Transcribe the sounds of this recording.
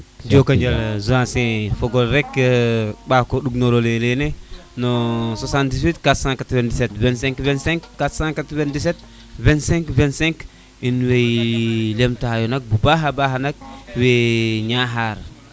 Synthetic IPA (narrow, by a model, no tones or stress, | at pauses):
diokaɲd͡ʒalzuãnsɛ̃foɡolɾɛkː | ɓakoɗuɡnoɾolelene | nosasãndis̬witkatɾsãkatɾvandisɛtvɛ̃nsɛ̃ŋkvɛ̃nsɛ̃ŋkːatsãkatɾvãndisɛt̚ | vɛ̃nsɛ̃ŋkvɛ̃nsɛ̃ŋk | inwejlemtaajonak̚bubaɦabaɦanak̚weɲaɦaːɾ